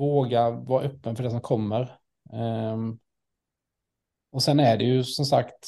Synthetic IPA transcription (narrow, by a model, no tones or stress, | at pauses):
oːɡavɑːɾaʔœpːənfœɖɛs̬ɔmkʰɔmːəɾ | ɔsɛnːæɖɛjɵsɔmsakt̪